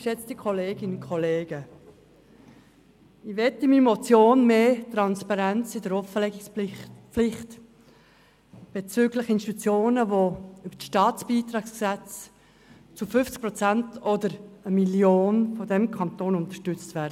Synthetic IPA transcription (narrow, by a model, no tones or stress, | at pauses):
ʃɛt͡stikʰɔleːɡɪnkʰɔleːɡ̥ə | iʋɛtɪmimɔt͡sjoːnmeːtɾɑnspɑɾɛnt͡sɪdəɾɔfəlɛɡɪks | lɪχt | b̥et͡syɡlɪχɪnsti̥t̪ut͡sjoːnəvoʏbəʃtɑːt͡sb̥iːt̪ɾɑːksksɛt͡s | t͡sufʏft͡sk̚pɾɔt͡sæntʰɔdəɾəmiljoːnfɔdɛmkʰɑntoːnʊntəʃtʏt͡stvæːɾdə